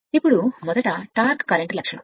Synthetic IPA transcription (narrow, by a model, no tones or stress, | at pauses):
ipːuɽumɔd̪ɐʈɐʈaːɾkkːɐlɐɳʈlɐkʂɐɳɐ̰m